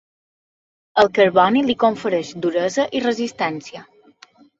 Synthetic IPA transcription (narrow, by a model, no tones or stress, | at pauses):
əlˠkəɾβɔnilikoɱfəɾeʃd̪uɾəzəʔirəzist̪ɛnsiə